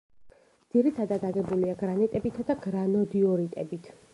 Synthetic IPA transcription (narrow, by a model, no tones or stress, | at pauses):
d̪iɾit̪ʰad̪ad̪aɡɛbuliaɡɾanɛt̪ʼɛbit̪ʰad̪aɡɾanɔd̪iɔɾit̪ʼɛbit̪ʰ